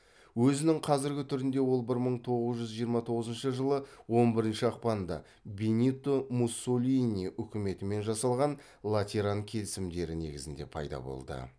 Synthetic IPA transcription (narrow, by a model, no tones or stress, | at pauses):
wɵzɪnɪɴqʰɑzɪɾɡʲɪt̪ʰʏɾɪnd̪e̞wo̞lˠbɪɾməɴt̪ʰo̞ʁəzʒʏzʒijəɾmɑt̪ʰo̞ʁəzənʃəʒəlˠəwo̞nbɪɾɪnʃɪɑq̚pɑnənd̪ɑ̰ | benʲit̪omusolʲinʲiʔʏkʲɪme̞t̪ɪme̞nʒɑsɑlˠʁɑn | lˠat̪ʲiɾaŋkʲʰe̞lɪsɪmd̪e̞ɾɪne̞̰ɡʲɪzɪnd̪e̞̰pʰɑ̰jd̪ɑ̰bo̰lˠd̪ə̰